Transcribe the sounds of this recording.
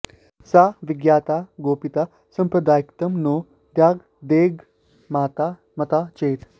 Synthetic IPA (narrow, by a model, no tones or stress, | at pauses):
saːʋɪɡjaːt̪aːɡoːpit̪a | sɐ̃mpɾɐd̪aːjikt̪ɐmnoː | d̪jaːɡ | d̪eːɡ | maːt̪aː | mɐt̪aːt͡ʃeːt̪ʰ